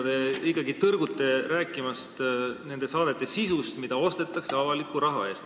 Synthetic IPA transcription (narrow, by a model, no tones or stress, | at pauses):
d̪̥eikːˑɑɡit̪ɤrɡ̥ut̪ːˑe̞ɾæːkːˑimɑst̪ne̞nd̪e̞sɑːd̪̥e̞t̪ːˑe̞sisust̪mid̪ɑo̞st̪e̞t̪ːˑɑkse̞ɑvɑlikːuɾɑɦɑe̞ːst̪